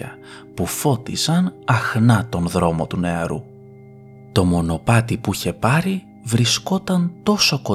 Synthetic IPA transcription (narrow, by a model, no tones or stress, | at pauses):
ɐ̰ | pufo̞t̪izɐnɐxnɐt̪o̞nðɾo̞mo̞t̪une̞ɐ̰ɾu | t̪o̞mo̞no̞pɐt̪ipuiçe̞pɐɾi | vɾisko̞t̪ɐnt̪o̞so̞ko̞